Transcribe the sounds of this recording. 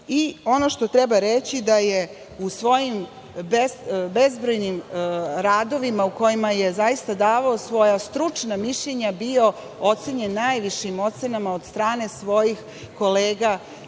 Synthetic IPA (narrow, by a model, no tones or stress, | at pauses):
io̞no̞ʃt̪o̞t̪ɾebaɾet͡ɕid̪aje | usʋo̞jim | besbe̞zbɾojnimɾaːd̪o̞ʋimauko̞jimaje̞zajist̪ad̪aːʋaosʋo̞jast̪ɾut͡ʂnamiʃʎeɲabio̞ | o̞t̪seɲe̞nːajʋiʃimo̞t̪se̞namao̞d̪st̪ɾaːne̞sʋo̞jix | ko̞leːɡa